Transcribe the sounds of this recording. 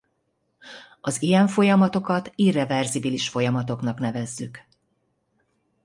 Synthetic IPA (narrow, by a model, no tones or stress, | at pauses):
ɒzijɛɱfo̞jɒmɒt̪o̞kɒt̪iːrɛvɛrzibiliʃfo̞jɒmɒt̪o̞knɒknɛvɛzːyk